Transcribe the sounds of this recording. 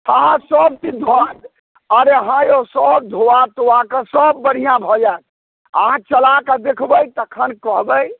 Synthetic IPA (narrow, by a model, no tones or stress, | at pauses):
əɦãsəb̚t̪id̪ʱoad̪ | əɾeɦãjosəb̚d̪ʱoat̪oakəsəbːəɽ̤ijãbʱɔd͡ʒat̪̚ | ə̰ɦãt͡ʃəlakəd̪ekʰbəjt̪əkʰənkəɦbəj